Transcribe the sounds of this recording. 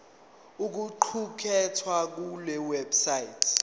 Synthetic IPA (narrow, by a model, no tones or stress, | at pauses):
uk̬uǃʰukʰɛtʰwak̬ulɛwɛbsajitʰ